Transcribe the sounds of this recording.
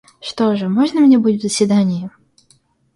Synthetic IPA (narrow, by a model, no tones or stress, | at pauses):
ʂt̪oʐɨmoʐnəmnʲebudʲɪt̪vzəsʲvʲɪd̪anʲɪjɪ